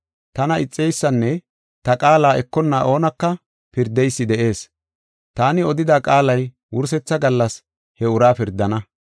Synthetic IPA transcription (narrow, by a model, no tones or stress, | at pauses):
t̪ɐnɐɪt͡sʼːɛjsːɐnːɛ | t̪ɐkʼaːlaːʔɛkːɔnːaʔo̞ːnɐkːɐ | pɪɾd̪ːɛjsːɪd̪ɛʔe̞ːs | t̪aːnɪɔd̪ɪd̪aːkʼaːlɐj | wʊɾs̬ɛt͡sːɐɡɐlːɐs | hɛʊɾaːpɪɾd̪ɐnɐ